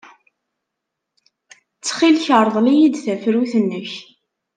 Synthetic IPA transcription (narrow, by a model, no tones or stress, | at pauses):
t͡sːχilçəɾˤəðˤlijid̪θæfɾuθənːəç